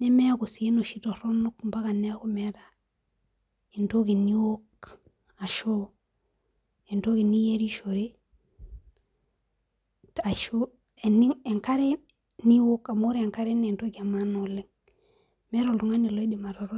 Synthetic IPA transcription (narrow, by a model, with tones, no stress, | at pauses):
ne˦me˦a˦ku˨si˨e˦no˨ʃi˦to˨ɾo˦nu˦kmba˦ka˨ne˦a˦ko˨me˦ɾa | e˨nto˦ɡi˨ni˦wo˦k̚ | a˨ʃo˦ | e˨nto˦ki˨ni˦je˦ɾi˦ʃo˨ɾe˦ | ta˨ʃo˦ | eniŋe˨ŋka˦ɾe˦ | ni˦wo˦ka˨mo˦ɾe˨ŋka˦ɾe˦ne˨nto˦kia˨ma˦no˨le˦ŋ | me˦ɾo˨lu˨ŋa˦ni˨lo˦i˦di˨ma˨ɾo˨ɾo˦